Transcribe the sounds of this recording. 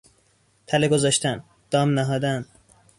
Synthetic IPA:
t̪ʰæleɡozɒːʃt̪ʰæn | d̪̥ɒːmnæɦɒːd̪æn

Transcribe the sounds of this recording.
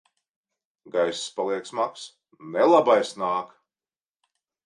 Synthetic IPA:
ɡajsspalˠiɛksmaks | nɛlˠabajsnaːk

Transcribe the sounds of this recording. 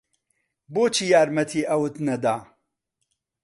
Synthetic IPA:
boːt͡ʃʰijaːɾmɐt̪ʰiːʔɐwɨt̪nɐd̪aː

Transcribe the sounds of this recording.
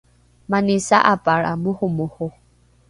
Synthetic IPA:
manisaʔapaɺa̰muhumuho

